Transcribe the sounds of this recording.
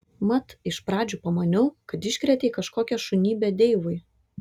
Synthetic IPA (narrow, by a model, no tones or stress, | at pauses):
mɐt̪ɪʃpɾɑːd͡ʒʲuːpɐmɐnʲʊʊkɐt̪ɪʃʲkɾʲɛt̪ʲeːkɐʃkoːkʲɛʃʊnʲiːbʲɛd̪ʲeɪʋʊj